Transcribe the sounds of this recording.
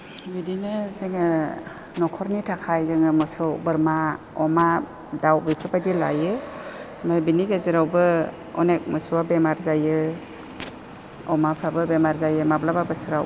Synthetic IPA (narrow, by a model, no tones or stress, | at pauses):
bidinɯzeŋɯ | nɔkʰɔɾnitʰakʰajzɯŋɯmɯsɯwbɯɾma | ɔma | dawbipʰipajdila̰jɯ | majbiniɡezɯɾawbɯ | ɔnek̚mɯsuwabemaɾzajɯ | ɔmapʰabɯbemaɾzajɯmablababɯsɯɾaw